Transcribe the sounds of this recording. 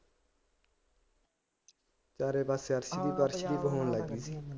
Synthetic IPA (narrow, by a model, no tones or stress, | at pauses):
t͡ʃaːɾeːbaseːəɾʃd̪iːbəɾʃd̪iːbəɦoːnləɡd̪iːsiː